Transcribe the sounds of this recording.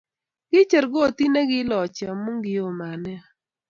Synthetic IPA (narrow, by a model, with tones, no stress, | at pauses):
ɡ̥ɪ˦t͡ʃɛ˨ɾɡɔ˦˨t̪i˦ne˦ɡɪ˦lɔ˨t͡ʃa˨mu˦ŋɡɪ˨˦o˦˨ma˨nɛ˦